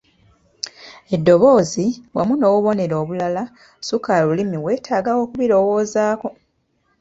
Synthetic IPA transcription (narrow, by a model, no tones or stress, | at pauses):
e̞dːo̞βo̞ːziwa̰muno̞ːwuβo̞ne̞ɾo̞ːβulala | sukalulimiwe̞ːtʰaːɡawo̞ːkuβiɾo̞woːzaːko̞